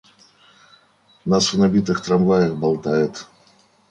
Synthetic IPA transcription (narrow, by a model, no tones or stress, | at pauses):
nasvnɐbʲit̪̬ɨxt̪ɾɐmvajəxbɐlˠt̪ajɪt̪